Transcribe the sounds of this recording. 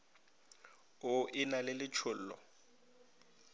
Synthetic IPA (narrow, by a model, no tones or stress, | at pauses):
ʊʔɪnalɪlɪt͡ʃʰʊl̩ːlɔ̰